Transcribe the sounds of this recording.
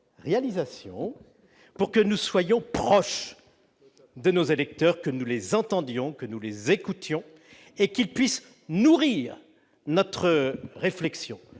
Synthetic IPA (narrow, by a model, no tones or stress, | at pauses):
ʁealizasjɔ̰̃ | puʁkənuswajɔ̃pχɔʃ | d̪ənozelɛk̚t̪œʁkənulezɑ̃t̪ɑ̃d̪jɔ̃kənulezekut̪jɔ̃ | ekʲilpɥis | nuʁiʁ | nɔt̪χəʁeflɛksjɔ̃